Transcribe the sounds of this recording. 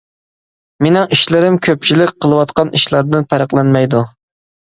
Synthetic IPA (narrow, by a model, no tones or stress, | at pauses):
menɪŋiʃlɪɾɪmkʲʰøp̚t͡ʃʰilɪkʲqʰəlˠɨwɑt̪qɑniʃlˠɑɾd̪ɨnpʰæɾəqlˠɛnmɛjd̪u